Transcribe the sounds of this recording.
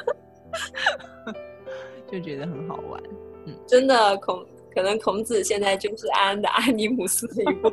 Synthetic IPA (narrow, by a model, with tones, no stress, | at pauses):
t͡ɕjo˥˩ʊt͡ɕɥɛ˧˥d̪ə˧xə˧˥nxɑ˨˩ʊwa̰˧˩˦nn̩˥˩ʈ͡ʂə˥nd̪ə˨kʰʊ˧˥ŋ | kʰɤ˨˩nɤ˧˥ŋkʰʊ˧˥ŋt͡sɹ̩˨˩ɕjɛ˥˧nt͡sa˥˧ɪt͡ɕjo˥˧ʊʂɻ̩˥˩a˥nd̪ə̰˧ʔa˥ni˧˥mu˨˩sɹ̩˥d̪ə˨i˧˥pu˥˩